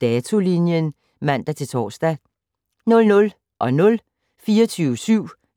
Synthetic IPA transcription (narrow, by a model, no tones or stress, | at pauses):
d̥ɛːt͡sʰo̝linjən | mæn̰d̥æt͡sʰe̝lt͡sʰɒ̰ːsd̥æ | nɔ̽lnɔ̽l | ʔɒ̽nɔ̽l | fiːɐt͡sʰyːʊəsyʊ̰